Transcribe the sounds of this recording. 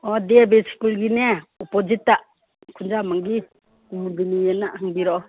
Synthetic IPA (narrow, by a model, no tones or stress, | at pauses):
ɔdiebesi̥kulɡineɔpod͡ʒitːaʔ | kʰund͡ʒamaŋɡi | kumudinienaʔhaŋbiɾɔ